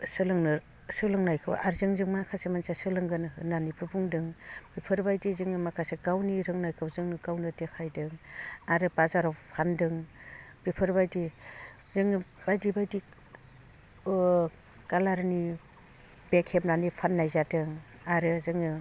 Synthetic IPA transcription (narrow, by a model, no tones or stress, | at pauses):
sɯlɯŋnɯ | sɯlɯŋnajkʰɯ̰w̰aɾzɯŋzɯŋmankʰasemansasɯlɯŋɡɯnɦɯnanibɯbuŋdɯŋbipʰɯɾbajdizɯŋɯmakʰaseɡawniɾɯŋnajkʰɯwzɯŋnɯɡawnɯdekʰajdɯŋaɾɯbazaɾawpʰandɯŋb̥ipʰɯɾbajdi | zɯŋɯb̥ajdibajdi | kalaɾni | b̥ekʰep̚nanipʰanːajzadɯŋ | aɾɯzɯŋɯ